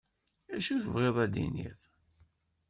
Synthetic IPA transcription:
æʃuθəvʁeðˤæd̪ḭnḭθ

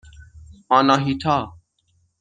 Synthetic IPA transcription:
ãːnaːɦiːt̪ʰaː

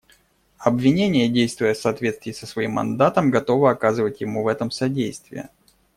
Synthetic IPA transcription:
ɐbvʲɪnʲenʲɪjədʲejst̪vʊjəfsɐːt̪vʲe̞t̪st̪vʲɪjsəsvɐimːɐ̰nd̪at̪əmɡɐt̪o̞vəɐkazɨvətʲjɪmuvɛt̪əmsɐdʲejst̪vʲɪ̰jɪ̰

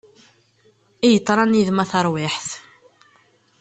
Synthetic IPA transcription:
ijət̪ˤːɾˤɑniðmæθɑɾˤwɪħθ

